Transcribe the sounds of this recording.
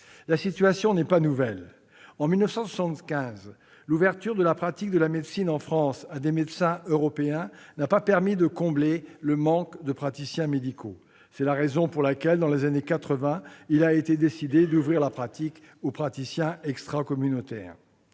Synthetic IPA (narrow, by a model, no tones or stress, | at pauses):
lasit̪yasjɔ̃nɛpanuvɛl | ɑ̃milnəfsɑ̃swḁsɑ̃t̪kʲɛ̃z | luvɛʁt̪yʁd̪əlapχat̪ik̚d̪əlamed̪sinɑ̃fχɑ̃sad̪emed̪sɛ̃øʁɔpeɛ̃napapɛʁmid̪əkɔ̃bleləmɑ̃kd̪əpχat̪isjɛ̃med̪ikʰo̰ | sɛlaʁezɔ̃puʁlakʲɛld̪ɑ̃lezanekat̪χəvɛ̃ilaet̪ed̪esid̪ed̪uvʁiʁlapχat̪ik | opχat̪isjɛ̃ɛkst̪χakɔmynot̪ɛ̰ːʁ